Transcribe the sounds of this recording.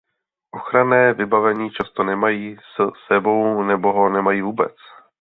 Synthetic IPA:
ʔo̞xɾanɛːvɪbavɛɲiːt͡ʃast̪o̞nɛmajiːsɛsɛbo̞wnɛbo̞ɦo̞nɛmajiːvuːbɛ̰t͡s

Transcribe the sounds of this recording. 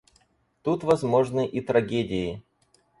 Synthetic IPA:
t̪ut̪vɐzmo̞ʐnɨʔit̪ɾɐɡʲedʲɪɪ

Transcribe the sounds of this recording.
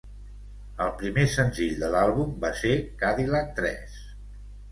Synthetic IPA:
əlˠpɾimesənziʎd̪əlalˠβumbasekaðilət̪ɾɛ̰s

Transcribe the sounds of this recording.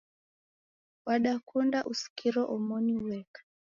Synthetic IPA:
waɗakundaʔusi̥kiɾɔʔɔmɔniuwɛkḁ

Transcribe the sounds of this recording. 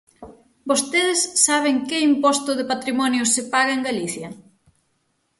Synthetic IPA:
bost̪eðɪsːaβ̞eŋkɪimpɔst̪ʊðɪpat̪ɾimɔnjʊsɪpaɣɐeŋɡaliθjɐ

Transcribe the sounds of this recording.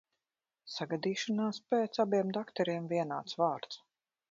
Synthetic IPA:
saɡad̪iːʃanaːspɛːt̪sabiɛmd̪akt̪ɛɾiɛmviɛna̰ːt̪svaːɾt̪s

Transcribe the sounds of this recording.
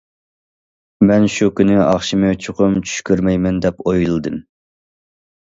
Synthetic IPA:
mɛnʃukʲynɪɑχʃimɨt͡ʃʰoqʰʊmt͡ʃʰy̥ʃkʲyɾmɛjmɛnd̪ɛpojlˠɨd̪ɨm

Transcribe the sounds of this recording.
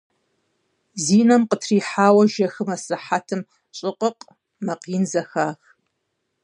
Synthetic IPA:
ziːnɐmqətʰriːħaːwɐʒɐxɨmɐsɨħatʰɨm | ɕʼɪqʼəqʼ | mɐqiːnzɐxaːx

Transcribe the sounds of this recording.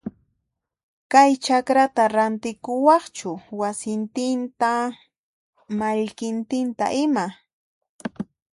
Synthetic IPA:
kajt͡ʃakɾat̪aɾant̪ɪkʊwɑχt͡ʃʊwasɪnt̪ɪnt̪a | maʎkɪnt̪ɪnt̪a̰ʔɪma

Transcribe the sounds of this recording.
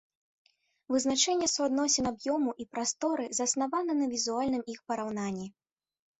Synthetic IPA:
vɨznat͡ʂɛnʲːɛsuad̪nɔsʲɛnabjɔmuʔipɾast̪ɔɾɨzɐsnavanɐnɐvʲizualʲnɨmixpɐɾawnanʲːi

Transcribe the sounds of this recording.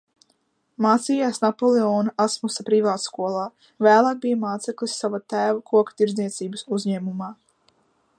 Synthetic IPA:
maːt̪sijaːsnapɔlˠeɔːnaasmusapɾivaːt̪skuɔlˠaː | væːlˠaːɡ̚bʲijmaːt̪sɛklʲisːavat̪æːvakʰuɔkt̪iɾzniɛt̪siːbəsuzʲɲɛːmumaː

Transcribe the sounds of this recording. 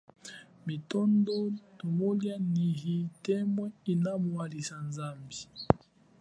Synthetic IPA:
mitondotomoljaniɣitɛmwɛinamwalisanzambi

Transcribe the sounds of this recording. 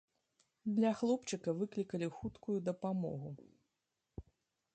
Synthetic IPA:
d̪lʲɐxlˠɔpt͡ʂɨkɐvɨklʲikɐlʲixut̪kujud̪ɐpamɔ̰ɣu

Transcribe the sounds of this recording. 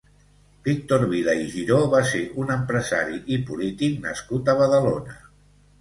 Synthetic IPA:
b̥ik̚t̪oɾβiðaiʒiɾoβaseʔunəmpɾəza̰ɾiʔipulit̪ik̚nə̰skut̪əβ̞əðəlonə

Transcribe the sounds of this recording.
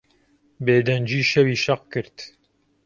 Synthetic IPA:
beːd̪ɐnd͡ʒiːʃɐwiːʃɐq̚kɨɾt̪

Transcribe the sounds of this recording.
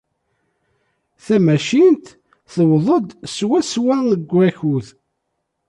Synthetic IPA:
θæmæʃint̪ | θəwðˤəd̪swæswænəɡʷːæçuð

